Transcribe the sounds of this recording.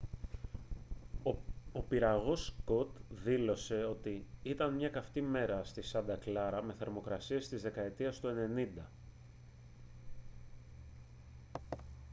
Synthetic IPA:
o̞piɾɐɣo̞skot̪ðilo̞se̞o̞t̪iit̪ɐnmɲɐkɐft̪ime̞ɾɐst̪isɐnd̪ɐklɐɾɐme̞θe̞ɾmo̞kɾɐsie̞st̪izðe̞kɐe̞t̪iɐst̪ue̞ne̞nind̪ɐ

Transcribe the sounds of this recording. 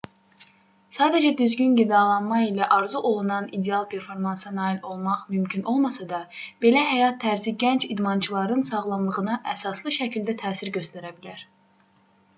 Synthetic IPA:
sɑːd̪æd͡ʒæd̪yzɟynɟid̪ɑlˠɑnmɑilæʔɑɾzuʔo̞lˠunɑnid̪eɑlˠpʰe̞ɾfo̞ɾmɑnsɑnɑːilo̞lˠmɑʁmymcʰynʔo̞lˠmɑsɑd̪ɑb̥e̞læɦæjɑt̪ʰːæɾziɟænt͡ʃʰid̪mɑnt͡ʃʰɯlˠɑɾɯnsɑʁlˠɑmlˠɯʁɯnɑʔæsɑslˠɯʃæcʰilʲd̪æt̪ʰæːsiɾɟø̞st̪æɾæbilæɾ̥

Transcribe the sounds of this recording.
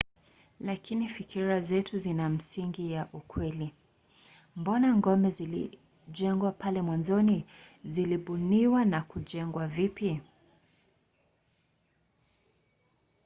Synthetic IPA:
lakinifikʰiɾazɛtuzinam̩siŋɡijaʔukwɛli | mbɔnaŋɡɔmbɛzilḭ | ʄɛŋɡwapalɛmwanzɔniziliɓuniwanakuʄɛŋɡwavipi

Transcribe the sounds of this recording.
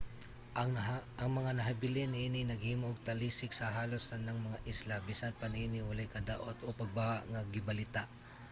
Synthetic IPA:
ʔɐŋmɐŋanɐɦabɪlɪnːɪʔiːnɪnɐɡhiːmoɡ̚t̪ɐliːsɪk̚sɐɦaːlosnɐnːɐŋmɐŋaʔɪslabiːsanpanɪʔiːnɪwɐlajkɐd̪a̰ʔot̪opɐɡ̚bahaʔŋɐɡɪbɐlɪt̪aʔ

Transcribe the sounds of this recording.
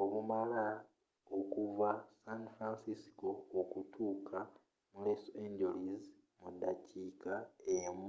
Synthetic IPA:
o̞βumala | okuvasanfɾansisi̥koːkutʰuːkʰa | muleseɲd͡ʒeliz | mudːaciːkaemu

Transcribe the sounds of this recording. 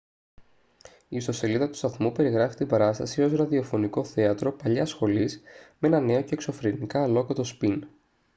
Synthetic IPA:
iːst̪o̞se̞liðɐt̪u̥st̪ɐθmupe̞ɾiɣɾɐfi̥st̪imbɐɾɐst̪ɐsio̞sɾɐðio̞fo̞niko̞θe̞ɐt̪ɾo̞pɐʎɐsxo̞lizmee̞nɐne̞o̞ce̞ːkso̞fɾinikɐːlo̞kɐt̪o̞spin

